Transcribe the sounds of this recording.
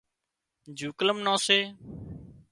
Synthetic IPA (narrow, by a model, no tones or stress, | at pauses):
d͡ʒʱuːkləmnãːseː